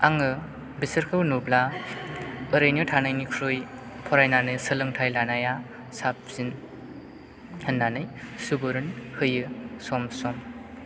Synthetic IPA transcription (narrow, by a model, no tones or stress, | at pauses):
aŋɯ | bisəɾkʰɯwnubla | ɯɾɯjnɯtʰanajnikʰɾɯj | pʰɔɾajnanɯjsɯlɯŋtʰajlanaja | sap̚z̥in | hɯnːanɯjsubɯɾɯnhɯjɯsɔmsɔm